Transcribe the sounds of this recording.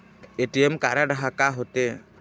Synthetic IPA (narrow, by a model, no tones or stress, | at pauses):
eʈiɛmkaʔɾaɖaɦakaɦɔt̪ɛ